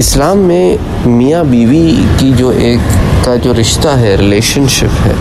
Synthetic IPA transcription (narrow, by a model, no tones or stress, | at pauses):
ɪslaːmːẽ | mijabiːʋikid͡ʒoːʔeːkːad͡ʒoːɾɪʃt̪aɦɛɾɪleːʃənʃɪ̰pɦɛ̰ː